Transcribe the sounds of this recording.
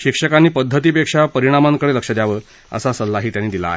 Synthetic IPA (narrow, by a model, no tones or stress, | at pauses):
ɕikʂəkanːiːpəd̪ʱːət̪̬iːpekʂapəɾiɽ̃amaŋkəɽeləkʂəd̪jaʋəː | ə̰sasəlːaɦiːt̪janːiːd̪ila̰ːɦe